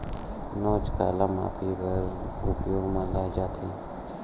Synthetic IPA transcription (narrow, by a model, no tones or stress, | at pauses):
noːt͡ʃka̰ːlãma̰ːpʰibəɾ | ɡuːpjomãːlaːd͡ʒaːt̪ʰi